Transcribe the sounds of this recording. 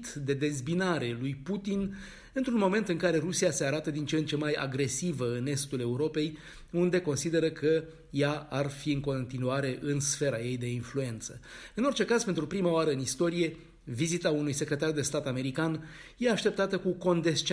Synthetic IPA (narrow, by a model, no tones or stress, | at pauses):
t̪d̪e̞d̪e̞zbinaɾe̞lujput̪in | ɨnt̪ɾunmo̞me̞nt̪ɨŋkaɾe̞ɾusiase̞aɾat̪əd̪int͡ʃent͡ʃe̞maja̰ɡɾe̞sivəɨne̞st̪ule̞uɾo̞pe̞j | und̪e̞ko̞nsid̪e̞ɾəkʰə | jaarfiɨŋko̞nt̪inuaɾe̞ʔɨnsfe̞ɾaje̞jd̪e̞influe̞nt̪səɨno̞rt͡ʃe̞kazpe̞nt̪ɾupɾimaoaɾəɨnist̪o̞ɾije̞ | vizit̪aunujse̞kɾe̞t̪ard̪e̞st̪at̪ame̞ɾikanje̞aʃt̪e̞p̚t̪at̪əkuko̞nd̪e̞st͡ʃ